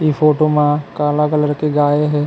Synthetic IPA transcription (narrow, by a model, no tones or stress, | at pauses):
ifʰoːʈomãkaːlakələɾkeɡaːeɦɛ̃ː